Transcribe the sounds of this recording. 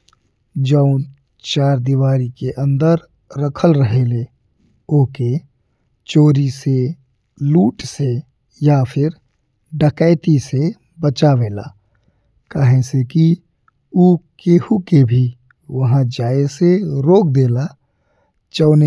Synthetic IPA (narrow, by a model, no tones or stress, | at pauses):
d͡ʒəʊ̃ | t͡ʃaːɾd̪iʋaːɾikeʔə̃nd̪əɾ | ɾəkʰəlɾəɦele | oːke | t͡ʃoːɾise | luːʈse | japʰɪɾ | ɖəkəɪt̪ise | bət͡ʃaʋeːla̰ː | kəɦẽseki | ukeːhukebʱi | ʋɐɦãd͡ʒaːeseɾoːk̚d̪eːla | t͡ʃəːne